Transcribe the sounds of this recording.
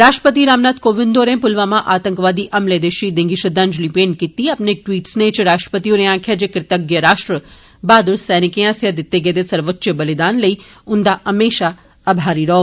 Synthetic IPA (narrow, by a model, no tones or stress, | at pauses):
ɾaːʃʈɾəpət̪iɾaːmnaːt̪koːʋɪnd̪oːɾẽpʊlʋamãʔaːt̪ə̃ŋkʋaːd̪iʔɐmled̪eʃid̪ɪ̃ŋɡiʃəd̪ãːnd͡ʒlipeɳkit̪iapneʈʋiːʈsnet͡ʃɾaːʃʈɾə̥pət̪ijoneãːkʰjad͡ʒekɾɪt̪əɡjəɾaːʃʈɾə | baːd̪uɾsɛnɪkeãsjad̪ɪt̪ːeɡed̪esɐɾʋəːt͡ʃəbəlid̪aːnləi | ʊnd̪aʔəmeːʃa | əbʱaːɾiɾɐɦo